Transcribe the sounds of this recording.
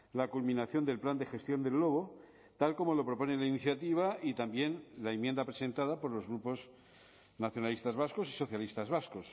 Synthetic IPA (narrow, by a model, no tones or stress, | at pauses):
lakulmĩnaθjo̞nd̪e̞lpland̪exe̞st̪jo̞nd̪e̞lːo̞β̞o̞ | t̪alko̞mo̞lo̞pɾo̞po̞nelainiθjat̪iβ̞ait̪ambje̞nlaemjend̪apɾe̞se̞nt̪að̞apo̞ɾlo̞zɣɾupo̞s | naθjo̞nalist̪azβasko̞si̥so̞θjalist̪azβasko̞s